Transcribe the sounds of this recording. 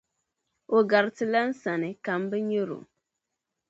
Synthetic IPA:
o˨ɡa˨ɾtɨ˨la˦n̩˦sa˨nɨ˨ka˨mbɨ˦ɲo˦ɾo̰˨

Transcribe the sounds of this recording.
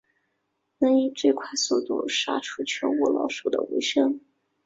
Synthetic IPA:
nə˧˥ni˥˩ʈ͡ʂɤ˥˧kʰwa˥˩ɪso˥˩t̪ṵ˥˩ʂa̰˥ʈ͡ʂʰu˥˩t͡ɕʰɥɛ˧˥nwɔ˥˩lɑ̰˧˥ʊʂu˨˩d̪ə̰˩wḛ˧˥ɪʂɤ˥ŋ

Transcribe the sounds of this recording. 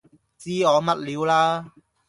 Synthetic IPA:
t͡siː˥ɔː˨˧mɐ˦˧t̚liː˨˧wlaː˧˥

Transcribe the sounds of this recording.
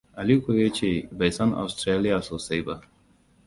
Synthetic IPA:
ɐ˨li˦koje˦t͡ʃe˨bɐ˨jsɐ˦na̰˨st̪ɾe˦li˦ja˨so˨sɐ˦jba

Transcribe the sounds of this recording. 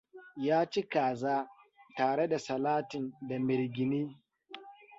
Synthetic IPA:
jaː˦t͡ʃi˦kaː˨zaː˦taː˨ɽe˦da˨sɐ˨laː˦tɪ˨nda˨mɪ˨ɾɡʲɪ˨niː˦

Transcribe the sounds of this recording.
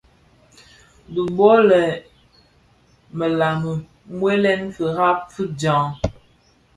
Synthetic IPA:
bu˨m˦bɔ˦lɛ˨ | mə˨la˨mə˨ | ŋwe˦lɛ˦nfə˨ɣa˦p̚fɨ˦d͡ʒã˨˦ŋ

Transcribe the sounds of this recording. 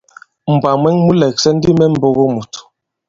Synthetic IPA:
m̩˨ba˨mɛ˦ŋmu˦lɛ˨k̚sɛ˦n̩˦di˦mɛ˦m̩˦bo˦ɣo˦mu˨t

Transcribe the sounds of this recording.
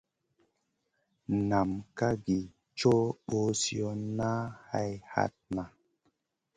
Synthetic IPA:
na˨mka˦ɡi˨ | t͡ʃo˦ɓo˦si˦o˦na˦ha˦jha̰˦t̚na˨

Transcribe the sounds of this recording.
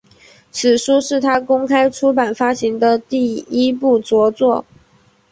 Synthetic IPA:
t͡s̩ʰ˨˩ʂu˥ʂɻ̩˥˩t̪ʰa˥kʊ˥ŋkʰa˥ɪʈ͡ʂʰu˥pa˨˩nfa˥ɕi˧˥ŋd̪ə˧t̪i˥˩i˥pu˥˩t͡swɔ˧˥t͡swɔ˥˩

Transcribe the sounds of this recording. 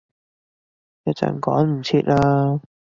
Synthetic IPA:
ja˧t͡sa̰˨˩nkɔː˨˥nm̩˨˩t͡sʰi˧t̚laː˧˥

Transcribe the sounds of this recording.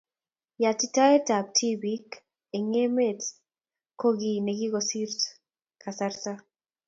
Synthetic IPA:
ja˨ti˦ta˦e˦ta˨p̚tʰi˦bik | e˨ŋe˦me˦t | ko˦ɡi˨ne˨ɡi˦ɡosi˦rt | ka˨saɾta˦

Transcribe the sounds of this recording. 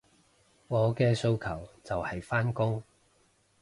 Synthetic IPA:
ŋɔː˨˧kɛː˧so˧wkʰɐ˨˩wt͡sɐ˨whɐ˨jfaː˥nkʊ˥ŋ

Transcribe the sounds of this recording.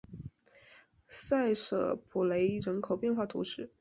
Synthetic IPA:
sa˥˩ɪʂɤ̰˨˩pʰu˨˩le˧˥ɪɻə˧˥nkʰo˨˩ʊpjɛ˥˧nxwa˥˩t̪ʰṵ˧˥ʂɻ̩˥˩

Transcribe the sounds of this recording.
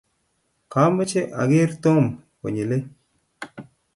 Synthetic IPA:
ka˨˦mə˦t͡ʃe˦ʔa̰˨ɡɪ˦ɾt̪o˦mko̰˨ɲi˨le˦

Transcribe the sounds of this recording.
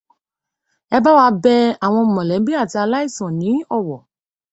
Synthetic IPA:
ɛ˧ba˦wa˧˦bɛ˧a˨w̃ɔ̃˧˨mɔ̃˨lɛ˨˦bi˦a˦˨ta˧la˦i˦˨sɔ̃˨nĩ˨˦ɔ˦˨wɔ˨

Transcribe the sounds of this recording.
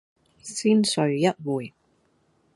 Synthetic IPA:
siː˥nsɵ˨˧ɥjɐ˥t̚wuː˨˩j

